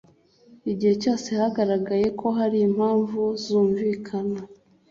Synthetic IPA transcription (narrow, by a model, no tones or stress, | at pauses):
iɟihe̞co̞ːse̞haɡaɾaɡaje̞kʰo̞ɦaɾiːm̥haːɱvuzuːɱviːkʰana